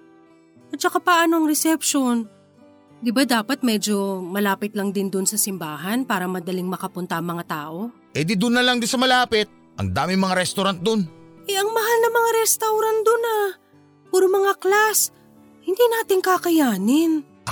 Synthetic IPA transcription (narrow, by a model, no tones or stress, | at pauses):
ʔɐt͡ʃɐkapaʔɐnoɐŋɾɛsɛpʃon | d̪ɪbad̪aːpɐt̪̚mɛd͡ʒo̞mɐlaːpɪt̪lɐŋd̪ɪnd̪ʊnsɐsɪmbaːɦɐnpaːɾɐmɐd̪ɐlɪŋmɐkɐpʊnt̪ɐʔɐŋmɐŋat̪aːʔo̞ | ɛd̪id̪ʊnːɐlɐŋd̪ɪsɐmɐlaːpɪt̪̚ | ʔɐ̰ŋd̪aːmɪŋmɐŋaɾɛst̪ʊɾant̪̚d̪onʔɛɐŋmɐɦalnɐmɐŋaɾɛst̪ɐwɾant̪̚d̪ona | puːɾomɐŋaklas | hɪnd̪inaːt̪ɪŋkakɐjaːnɪn